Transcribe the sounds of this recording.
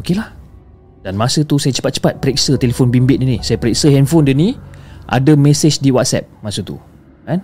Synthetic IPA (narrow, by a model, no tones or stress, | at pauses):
okelah | d̥anmasət̪usajat͡ʃə̥pat̪̚t͡ʃə̥pat̪̚pəɾɛk̚sət̪elefonbimbɪt̪̚dinisajapəɾɛk̚səɦɛnfɔndəniʔa̰dəmɛsed͡ʒdiwat̪̚sɛ̰p̚masət̪ṵ | kan